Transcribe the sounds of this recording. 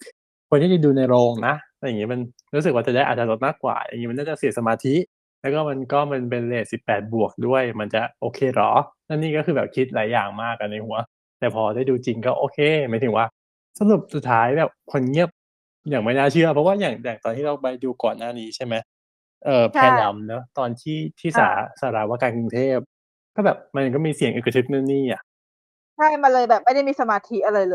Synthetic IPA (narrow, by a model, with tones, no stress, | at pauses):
kʰu˧nʰiː˥˩t͡ɕa˨˩duː˧na˧jɾoː˧ŋna˦˥a˧ja˨˩ŋːiː˦˥ma˧n | ɾuː˦˥s̬kwaː˥˩t͡ɕa˨˩da˥˩jʔaː˨˩t̚t͡ɕa˧lo˦t̪̚maː˥˩kːwa̰ː˨˩ja̰˨˩ŋiː˦˥m˧nːaː˥˩t͡ɕa˨˩si˨˩˦sa˧maː˧t̪ʰi˦˥ʔ | lɛː˦˥wkɔː˥˩ma˧nkɔː˥˩ma˧np̬e˧nleː˨˩t̪̚si˨˩pːɛː˨˩t̪̚bu˨˩ək̚du˥˩əjma˧nt͡ɕa˨˩ʔoː˧kʰeː˧ɾɔ̰˦˥naː˥˩nːiː˥˩kɔː˥˩kʰɯː˧bɛː˨˩p̚kʰi˦˥t̪̚la̰ː˩˦jːaː˨˩ŋmaː˥˩kːa˧nːa˧jhu˩˦ɐ | t̪ɛː˨˩pʰɔː˧daː˥˩jduː˧t͡ɕi˧ŋkɔː˥˩ʔoː˧kʰeː˧maː˨˦jt̪ʰɯ˩˦waː˥˩ | sa˧nu˨˩p̚su˨˩t̪ʰːaː˦˥jbɛː˨˩p̚kʰo˧nŋi˥˩əp̚ | jaː˨˩ŋma˥˩jnaː˥˩t͡ɕʰɯ˥˩ɐpʰɔ˦˥waː˥˩jaː˨˩ŋjaː˨˩ŋt̪ɔː˧nʰiː˥˩ɾa˧wpa˧jduː˧kɔː˨˩nːaː˥˩niː˦˥t͡ɕʰa˥˩jma˦˥j | ʔɤː˨˩pʰɛː˧nla˧mnɤ˦˥t̪ɔː˧nt̪ʰiː˥˩t̪ʰiː˥˩sa̰ː˩˦saː˨˩˦ɾaː˧˩waː˥˩kaː˧nku˧ŋt̪ʰeː˥˩p̚ | kɔː˥˩bɛː˨˩p̚ma˧n˧˩kɔ˥˩miː˧si˨˩ə˦ŋʔɯ˨˩kːa˧t̪ʰɯ˦˥k̚na˥˩nːiː˥˩ʔa˨˩ʔ | t͡ɕʰa˥˩jma˧nlɤː˧jbɛː˨˩p̚ma˥jda˥˩jmiː˧sa˧maː˧t̪ʰi˦˥ʔa˧ɾa˧jlɤː˧j